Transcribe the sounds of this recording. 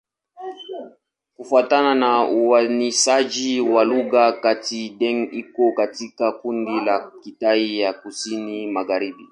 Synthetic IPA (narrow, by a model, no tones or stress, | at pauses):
kufuatananauwaniʃad͡ʒiwaluɣakatiɗɛŋikɔkatikakundilakitaijakusinimaɣaɾiɓi